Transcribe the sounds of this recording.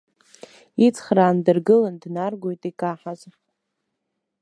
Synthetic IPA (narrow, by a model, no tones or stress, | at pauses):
it͡sʰχraːndɨrɡɨlandnarɡʷojtʼikʼaħaz